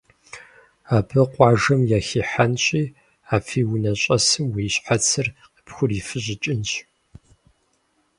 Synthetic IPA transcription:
aːpʰɨqʷʼɑːʒɐmjaːxiːħanɕʼiː | aːfiːwʊnɐɕʼɐsɨmwiɕħat͡sʰɨrqə̥pxʷʊriːfɨʑɪt͡ʃʼɪnɕ

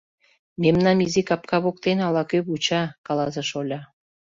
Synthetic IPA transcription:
memnɑmizikɑpkɑβok̚t̪enɑlɑkøβut͡ɕɑkɑlɑzeʃolʲɑ

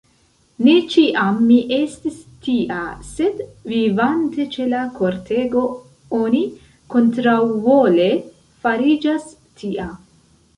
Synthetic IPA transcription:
ne̞t͡ʃiʔamːiʔe̞stistiʔase̞dvivante̞t͡ʃe̞lako̞ɾtʰe̞ɡo̞ | oni | ko̞ntɾawvo̞le̞ | faɾid͡ʒas | tʰiʔa

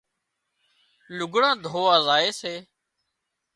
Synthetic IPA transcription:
lʊɡɳãːd̪ʱoːaːzaːeːseː

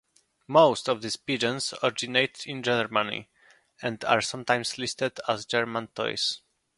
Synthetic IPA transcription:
moʊst̪ɔvðispid͡ʒə̃nsɔɹɪd͡ʒineɪt̪ɪ̃nd͡ʒɛnəɹmanḭ | ɛ̃nda̰ɹsʌ̃mt̪ãj̃mslist̪ɛdazd͡ʒɛɹmãnt̪ʰɔ̰js

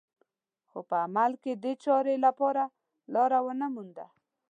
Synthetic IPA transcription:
xopəamalked̪et͡ʃɑɾelapɑɾa | lɑɾawənəmund̪a̰

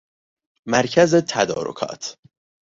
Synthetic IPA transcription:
mæɾcʰæzet̪ʰæd̪ɒ̰ːɾo̰kʰɒ̰ːt̪ʰ

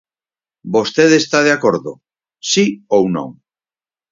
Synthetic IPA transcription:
bost̪eðest̪að̞eakoɾðo̰ | siownõ̰ŋ

